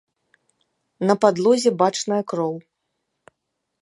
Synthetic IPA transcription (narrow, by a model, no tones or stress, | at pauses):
nɐpad̪lˠɔzʲɛbat͡ʂnɐjɐkɾɔw